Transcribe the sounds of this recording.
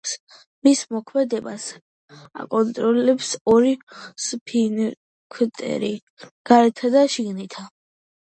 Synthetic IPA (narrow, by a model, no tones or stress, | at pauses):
s | mismɔkʰmɛd̪ɛbas | a̰kʼɔnt̪ʼɾɔlɛpsɔɾispʰin | kʰt̪ʼɛ̰ɾi | ɡ̥aɾɛt̪ʰad̪aʃiɡnit̪ʰa